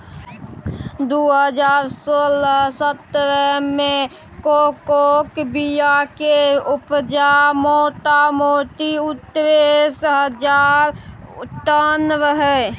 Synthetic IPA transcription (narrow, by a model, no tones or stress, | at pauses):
d̪uɦəd͡ʒaɾsoləsət̪ːɾəme | kokokbijakeupd͡ʒamoʈamoʈiut̪ːɾesɦəd͡ʒaɾʈənʋəɦɛ